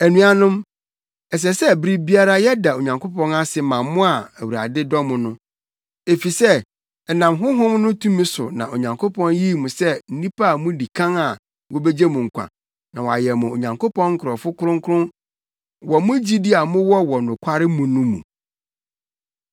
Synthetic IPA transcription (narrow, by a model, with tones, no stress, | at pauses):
æ˨nũ˨a˨nʊ̃˦m | ɛ˨s̬ɛ˨sɛ˦˨bɾi˦bi˦a˦ɾa˦jɛ˦da˨o˨ɲã˨ŋkʰo˦pʰɔ̃˦na˦sɪ˨mã˨mmːʊ̃˦a˨æ˨wu˨ɾa̰˨dɪ˦dɔ˦mʊ̃˨nʊ̃˦ | e˨fi˨sɛ˦ | ɛ˨nã˨mɦʊ̃˦ɦʊ̃˦mnʊ̃˦tʰũ˦mĩ˦sʊ̰˨nã̰˨o˨ɲã˨ŋkʰo˦pʰɔ̃˦nji˦˨mũ˨sɛ˦n̩˦nĩ˦pa˦a˨mʊ̃˦di˨kʰã˦ŋa˨ | wo˦be˦d͡ʑe˦mũ˨ŋ̩˨kʷʰã̰˨ | nã̰˨wa̰˨jɛ˨mʊ̃˨o˨ɲã˨ŋkʰo˦pɔ̃˦ŋ̩˦kʰʊ˨ɾɔ˨fʊ˦kʰʊ˦ɾʊ̃˦ŋkʰʊ˦ɾʊ̃˦ | wɔ˨mʊ̃˦d͡ʑi˦di˦a˨mʊ̃˦wɔ˦wɔ˨nʊ̃˨kʷʰa˦ɾɪ˦mũ˨nʊ̃˦mṵ̃˨